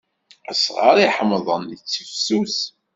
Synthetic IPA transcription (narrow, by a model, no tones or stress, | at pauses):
æsʁə̰ɾiħəmðˤənit͡sːəfsus